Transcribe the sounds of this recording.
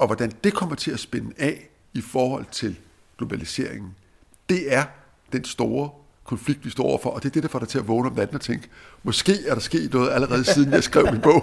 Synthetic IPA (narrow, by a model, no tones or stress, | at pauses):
ʔɒ̽ʋɒd̥ænd̥e̝kʰɒ̽m̰ɐt͡sʰe̝æsb̥enəɛ | ifɒːhɒ̽l̰t͡sʰe̝l | ɡ̥lo̝b̥ælise̝̰ɐ̰eŋn̩ | d̥e̝æɐ | d̥ensd̥o̝ːɐ | kʰɒ̽nfliɡ̥̚d̥ʋistɔ̰ːɒ̰ʊ̰ɐfɒ̽ʔɒ̽d̥e̝æɐd̥e̝ɾɐfɒ̽ɾ̥ɑ̈ɪt͡sʰe̝æʋɔːnəɒ̽mdæd̥n̩ɒt͡sʰeŋ̰ɡ̥mɒ̽sɡ̥e̝̰ːæɐɾɑ̈sɡ̥e̝̰ːd̥nɔ̽ːð̞̩ˠæləʁɛːð̞̩ˠsiːð̞ˠn̩jɑ̈ɪsɡ̥ʁɛʊminb̥ɔ̽ʊ̰